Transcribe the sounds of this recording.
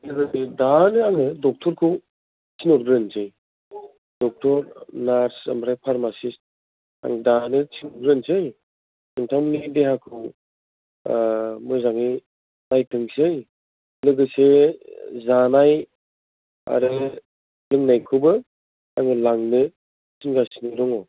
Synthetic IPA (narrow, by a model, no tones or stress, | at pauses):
lɯɡɯsedanɯaŋɯdɔk̚tʰɔɾkʰɯ | t͡ʃʰinɔɾɡɾɯnsɯj | d̥ɔk̚tʰɔɾnaɾsa̰mbɾajpʰaɾmasist̚ | a̰ŋdanɯt͡ʃʰinɔɾɡɾɯnsej | ɯŋtʰawmnideɦakʰɯ | mɔjzaŋi | najtʰɯŋsej | lɯɡɯse | zanaj | a̰ɾɯ | lɯŋnajkʰɯbɯ | a̰jmɯlaŋnɯ | sinɡasinɯɾɯŋɔ